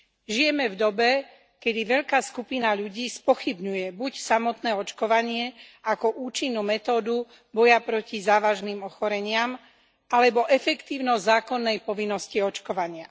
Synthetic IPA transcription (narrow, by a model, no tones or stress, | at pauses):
ʒijɛmɛvd̪ɔbɛ | kɛd̪iʋɛʎkaːskupinaʎuɟiːspɔxibɲujɛbucsamɔt̪nɛːɔt͡ʃkɔʋaɲɪɛakɔʔuːt͡ʃinːumɛt̪ɔːd̪u | bɔjapɾɔcizaːʋaʒnimɔxɔɾɛɲɪam | alɛbɔʔɛfɛkt̪iːʊnɔzzaːkɔnːɛjpɔʋinːɔsciɔt͡ʃkɔʋaɲɪa